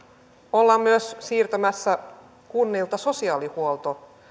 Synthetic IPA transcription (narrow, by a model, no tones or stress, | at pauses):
olːɑmmyøssiːrt̪ømæsːæ | kunːiːlt̪ɑso̞siɑːlihuolˠt̪o